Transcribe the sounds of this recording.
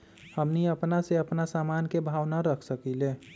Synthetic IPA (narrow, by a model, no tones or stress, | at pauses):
həmniəpnaseəpnasamankebʱawnaɾəkʰsəkile